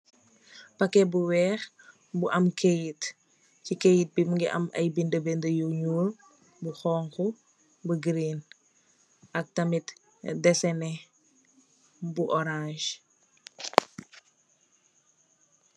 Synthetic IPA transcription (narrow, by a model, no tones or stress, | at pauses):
pɐkːɛbuwɛːx | buʔɐmkʰejit | cikejit̚bimuŋɡiʔɐ̰mɐ̰jbindəbɛndəjuɲuːl | buxɔːŋxu | bəɡɾiːn | ʔɐk̚tɐmit | dɛsɛnɛ | buʔɔɾãʃ